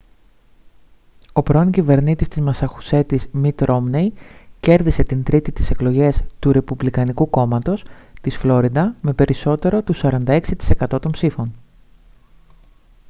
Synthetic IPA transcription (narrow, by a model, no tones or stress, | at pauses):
o̞pɾo̞ncive̞ɾnit̪ist̪izmɐsɐxuse̞t̪izmit̪ɾʔo̞mnejce̞ɾðise̞t̪int̪ɾit̪it̪i̥se̞klo̞ʝe̞st̪uɾe̞publikɐnikuko̞mɐt̪o̞st̪isflo̞ɾid̪ɐme̞pe̞ɾiso̞t̪e̞ɾo̞t̪usɐɾɐnd̪ɐe̞ksit̪i̥se̞kɐt̪o̞t̪o̞mpsifo̞n